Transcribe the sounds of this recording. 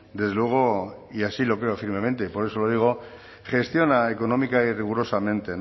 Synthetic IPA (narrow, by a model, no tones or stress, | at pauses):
d̪ezðelwe̞ɣ̞o̞ | iasilo̞kɾeofiɾme̞mẽ̞nt̪eipo̞ɾe̞so̞loð̞iɣ̞o̞ | xe̞st̪jo̞naeko̞no̞mikairiɣuɾo̞samẽ̞nt̪e̞n